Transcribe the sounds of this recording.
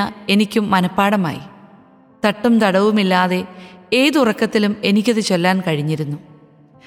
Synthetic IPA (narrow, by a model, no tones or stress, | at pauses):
ɐe̞nikʲːumːɐnɐpːaːɽɐma̰ːjḭ | t̪ɐʈːɐmt̪ɐɽɐʋumilːaːðe̞e̞ːðurɐkːɐt̪ːilume̞nikʲːɐðɨt͡ɕe̞lːaːnkɐɻiɲːiɾunːu